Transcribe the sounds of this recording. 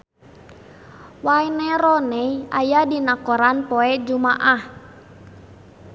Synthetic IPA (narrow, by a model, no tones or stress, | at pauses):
wajnɛɾɔnɛiʔajadinakɔɾanpɔɛd͡ʒumaʔah